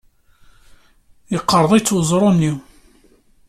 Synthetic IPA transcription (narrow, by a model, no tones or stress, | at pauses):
jəqːəɾˤðˤijt͡sːwzˤɾˤonːi